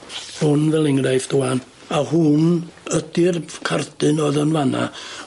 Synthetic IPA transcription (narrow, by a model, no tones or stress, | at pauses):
hʊnvɛlˠɪŋrajfd̥ʊan | ahʊnədɪrkʰardɨnɔðənvana̰